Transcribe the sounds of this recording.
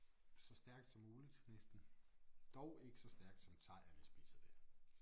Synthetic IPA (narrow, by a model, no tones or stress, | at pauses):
sɒ̽sd̥æɐɡ̥̚d̥sɒ̽mːuːlid̥nesd̥n̩d̥ɒʊ̰e̝ɡ̥əsɒ̽sd̥æɐɡ̥d̥sɒ̽mt͡sʰɑ̈ɪ̰æɐʋeɐsb̥ḭːsɐd̥æɐ̰